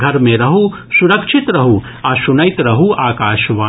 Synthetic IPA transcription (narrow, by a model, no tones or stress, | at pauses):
ɡʱɐɾmẽɾɐɦu | suɾɐkʃʰit̪ɾɐɦu | ɐʃunɐjt̪ɾɐɦuʔaːkaːʃʋaː